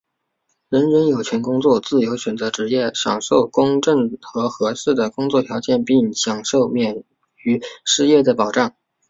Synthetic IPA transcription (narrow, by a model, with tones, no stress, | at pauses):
ɻə˧˥nɻə˧˥njo˨˩ʊt͡ɕʰɥɛ˧˥nkʊ˥ŋt͡swɔ˥˧t͡sɹ̩˥˩jo˧˥ʊɕɥɛ˨˩nt͡sɤ˧˥ʈ͡ʂɻ̩˧˥jɛ˥˩ɕjɑ̰˨˩ŋʂo˥˩ʊkʊ˥ŋʈ͡ʂə˥˩ŋxɤ˧˥xɤ˧˥ʂɻ̩˥˩d̪ə˩kʊ˥ŋt͡swɔ˥˩t̪ʰjɑ˧˥ʊt͡ɕjɛ˥˧npi˥˩ŋɕjɑ˨˩ŋʂo˥˩ʊmjɛ˨˩n | y˧˥ʂɻ̩˥˧jɛ˥˩d̪ə˩pɑ˨˩ʊʈ͡ʂɑ˥˩ŋ